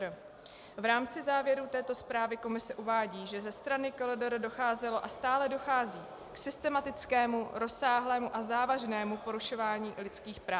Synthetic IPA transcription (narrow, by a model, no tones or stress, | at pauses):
vɾaːmt͡sɪzaːvjɛɾuːt̪ɛːt̪o̞spɾaːvɪko̞mɪsɛʔuvaːɟiːʒɛzɛst̪ɾanɪkoldoɾdo̞xaːzɛlo̞ʔast̪aːlɛdo̞xaːziː | ksɪst̪ɛmat̪ɪt͡skɛːmuɾo̞saːɦlɛːmuʔazaːvaʒnɛːmupo̞ɾuʃo̞vaːɲiːlɪt͡skiːxpɾaː